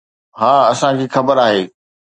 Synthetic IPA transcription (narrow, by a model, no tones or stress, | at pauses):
ɦaːɐsãkʰiːxɐbəɾaːɦeː